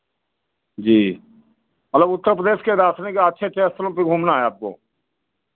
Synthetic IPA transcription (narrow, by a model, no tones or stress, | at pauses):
d͡ʒiː | mət̪ləbʊt̪ːəɾpɾəd̪eːʃkeɾaːsʰnekaətːʃʰet͡ʃeːst̪lõpiɡʱuːmnaːɦɛaːp̚ko̰ː